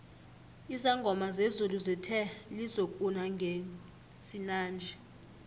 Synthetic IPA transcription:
izaŋɡʱɔmazezuluzɛtʰɛlizokʼunaŋɡʱe | sinaːnd͡ʒʱɛ

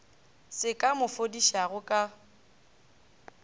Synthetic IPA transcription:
sɪkʼamʊfodiʃaɣʊkʼa

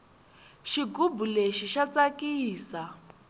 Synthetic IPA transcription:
ʃiɡubuleʃiʃat͡sakiːsa

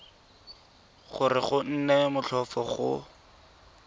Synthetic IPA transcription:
χʊrɪχʊn̩nɛmʊɬɔfɔχʊ̰

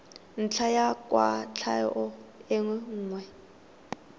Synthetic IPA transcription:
n̩t͡ɬʰajakʼwa̰t͡ɬʰa̰jɔʔʊɪŋwɛŋ̩ːŋwɛ

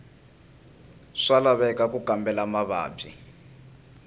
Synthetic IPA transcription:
ʂalaβɛkakukambɛlamaβa̰ːbḭ

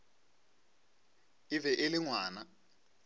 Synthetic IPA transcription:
ivɛʔeliŋwaːna

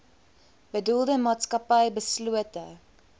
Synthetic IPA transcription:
b̥ədulˠdəmɑːtskɐpəjbəsluətə

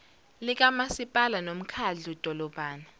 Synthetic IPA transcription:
lik̬ʼamasipʼalanom̩kʰaɮud̥ʱɔlɔb̥ʱaːna

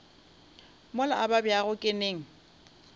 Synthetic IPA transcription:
mʊlaʔababjaɣʊkʼɪneːŋ̩

